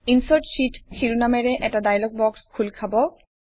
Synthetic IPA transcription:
insɔʈʃiʈkʰiɹunameɹɛʔɛʈadajlɔɡ̚bɔkskʰulkʰabɔ

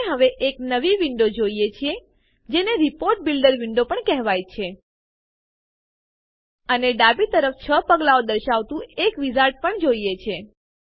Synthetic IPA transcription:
ɦəʋeʔeknəʋiʋiɳɖod͡ʒoijet͡ʃʰie | d͡ʒeneɾipoɾʈ̚bilɖəɾʋiɳɖopəɳkɛɦʋajt͡ʃʰe | əneɖabit̪əɾəft͡ʃʰəpəɡlaod̪əɾʃaʋt̪ũekʋizaɾʈ̚pəɳd͡ʒoijet͡ʃʰe

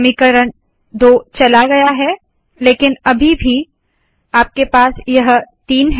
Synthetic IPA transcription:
mɪkəɾəɳ | d̪oːt͡ʃɐlaɡɐjaɦɛː | leːkɪnɐbʱibʱi | aːp̚kepaːsjɐɦt̪iːnɦ

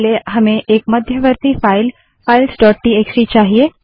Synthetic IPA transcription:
leɦɐmẽʔeːk̚mɐd̪ʱjəʋəɾt̪ifaːɪl | faːɪlsɖɔːʈ̚ʈieːksit͡ʃaːɦieː

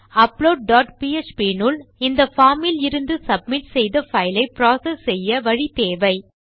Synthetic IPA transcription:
ɐploːɖ̚ɖaːʈpiːet͡ʃpiːnʊlɪnd̪ɐfaːmɪlɪɾɯnd̪ɯsɐb̚mɪʈsɛjðɐfɐɪlɐɪpɾaːsɛsːɛjːɐʋɐɻit̪eːʋɐɪ

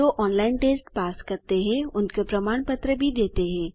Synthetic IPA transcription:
oʔɔːnlaːɪnʈeːsʈpaːskɐɾt̪eɦɛ̃ʊnkepɾɐmaːɳpət̪ɾəbʱid̪eːt̪eɦɛ̃ː

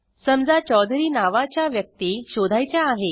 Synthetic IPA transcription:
səmd͡zat͡ɕɔd̪ʱɾiːnaʋat͡ɕjaʋjək̚t̪iːɕod̪ʱajt͡ɕjaːɦe

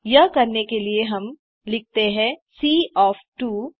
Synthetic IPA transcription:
jɐɦkɐɾnekelieɦɐm | lɪk̚t̪eɦɛ̃siːɔːfʈuː

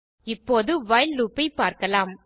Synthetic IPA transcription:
ɪpːoːðɯʋɐjlːuːpːɐɪpːaːɾkɐlaːm

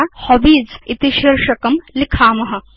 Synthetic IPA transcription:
hɐbiːzit̪iʃiɾʃɐkɐmlikʰaːmɐɦɐ̆

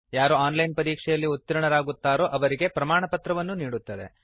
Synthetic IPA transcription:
jaːɾuaːnlɐjnpɐɾiːkʂɛjɐlːiut̪ːiɾɐɳɐɾaːɡut̪ːaːɾoːʔɐʋɐɾiɡe̞pɾɐmaːɳɐpɐt̪ɾɐʋɐnːuniːɽut̪ːɐd̪e̞̰

